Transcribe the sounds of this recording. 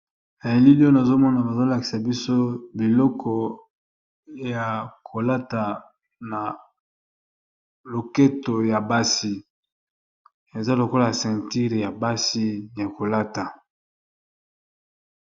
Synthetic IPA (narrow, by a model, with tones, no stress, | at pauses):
na˨je˨li˦li˦o˦na˨zo˦mɔ˦na˨ba˨zo˦la˨ki˨sa˨bi˦so˦bi˨lɔ˦kʰɔ˨ | ja˨kʰo˨la˦ta˨ | na˨ | lo˨ke˦to˨ja˨ba˦si˦ | e˨za˦lo˨ko˦la˨sɛ̃˨nti˦ʁja˨ba˦si˦ja˨ko˨la˦ta˨